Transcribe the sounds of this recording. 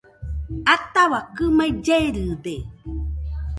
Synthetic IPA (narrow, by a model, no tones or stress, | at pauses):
at̪awakɨmajd͡ʒeɾɨde